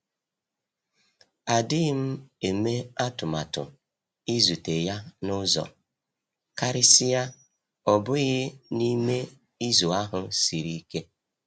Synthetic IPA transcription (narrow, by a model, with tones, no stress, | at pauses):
a˨dɪ˦m̩˦e˨me˦a˦tʊ˨ma˨tʊ̰˨ | i˦zu˨te˨ja˦nʊ˦zɔ̰˨ | ka˦ɾɪ˦sɪ˦ja˦ | ɔ˨bʊ˦ɣɪ˦ni˦me˦ | i˦zo˨a˦ɦʊ˨si˨ɾi˦ke˦